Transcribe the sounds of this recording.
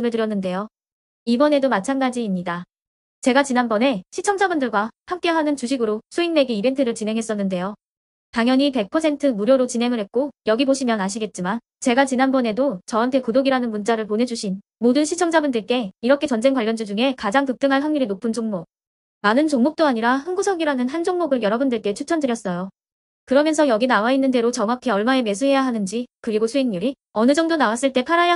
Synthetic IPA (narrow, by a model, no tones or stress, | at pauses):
ɯmɯɭtɯɾjʌnːɯnde̞jo | ibʌne̞domat͡ɕʰanɡad͡ʑiːmɲida | t͡ɕe̞ɡat͡ɕinɦanbʌne̞ɕʰit͡ɕʰʌŋd͡ʑabundɯɭɡwahamk͈e̞ɦanɯnt͡ɕuɕʰiɡɯɾosʰuiŋme̞ɡiibe̞ntʰɯɾɯɭt͡ɕinɦe̞ŋɦe̞s͈ʌnːɯnde̞jo | taŋjʌɲipe̞k̚pʰʌsʰe̞ntʰɯmuɾjoɾot͡ɕinɦe̞ŋɯɭɦe̞t̚k͈ojʌɡiboɕʰimjʌnaɕ̬ʰiɡe̞t̚t͡ɕ͈iman | t͡ɕe̞ɡat͡ɕinɦanbʌne̞dot͡ɕʌɦantʰe̞kodoɡiɾanɯnmunt͡ɕ͈aɾɯɭponɦe̞d͡ʑuɕʰin | modɯnɕʰit͡ɕʰʌŋd͡ʑabundɯɭk͈e̞iɾʌkʰe̞t͡ɕʌnd͡ʑe̞ŋkwaʎːʌnd͡ʑɯd͡ʑuŋe̞kad͡ʑaŋtɯk̚t͈ɯŋɦaɭɦaŋɲiɾinopʰɯnd͡ʑoŋmo | manɯnt͡ɕoŋmok̚t͈oaɲiɾahanɡusʰʌɡiɾanɯnɦand͡ʑoŋmoɡɯɭjʌɾʌbundɯɭk͈e̞t͡ɕʰut͡ɕʰʌndɯɾjʌs͈ʌjo | kɯɾʌmjʌnsʰʌjʌɡinawainːɯnde̞ɾot͡ɕʌŋwakʰe̞ʌɭmaeme̞s̬ʰuɦe̞jaɦanɯnd͡ʑikɯɾiɡosʰuinɲuɾi | ʌnɯd͡ʑʌŋdonawas͈ɯɭt͈e̞pʰaɾaja